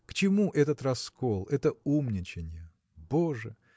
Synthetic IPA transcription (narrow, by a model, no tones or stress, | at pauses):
kt͡ɕɪmuʔɛt̪ət̪rɐskolˠɛt̪əumnʲɪt͡ɕɪnʲɪjə | boʐɨ